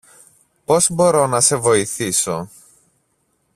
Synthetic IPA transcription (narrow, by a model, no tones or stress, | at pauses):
po̞zbo̞ɾo̞nɐse̞vo̞iθiso